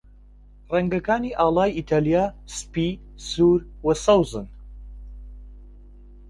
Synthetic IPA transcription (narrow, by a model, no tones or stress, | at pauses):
rɛŋɡɐkaːniʔaːlˠaːjit̪ʰaːlijaːspiː | suːɾwɐsɐwzɨn